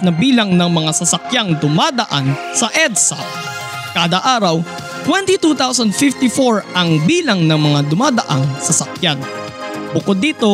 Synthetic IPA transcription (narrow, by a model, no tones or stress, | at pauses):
nɐbiːlɐŋnɐŋmɐŋasɐsɐkjaŋd̪ʊmaːd̪ɐʔan | sɐʔɛd̪sɐ | kaːd̪ɐʔaːɾɐw | t̪wɛnt̪it̪ut̪awsɐnd̪fɪft̪ɪfoɹʔɐŋbiːlɐŋnɐŋmɐŋad̪ʊmaːd̪ɐʔaŋsɐsɐkjan | bʊkod̪ːiːt̪o̞